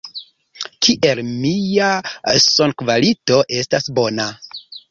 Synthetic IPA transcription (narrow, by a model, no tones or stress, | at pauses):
kʰiʔe̞lmijasonkvalito̞ʔe̞stasbo̞na